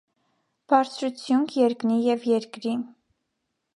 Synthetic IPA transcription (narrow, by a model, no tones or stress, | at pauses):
b̥ɑɾt͡sʰɾut͡sʰjuŋkʰjɛɾknijɛvjɛɾkɾi